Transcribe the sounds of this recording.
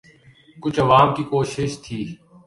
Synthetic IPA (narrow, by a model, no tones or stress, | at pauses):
kʊt͡ʃʰəʋaːmkikoːʃɪʃt̪ʰiː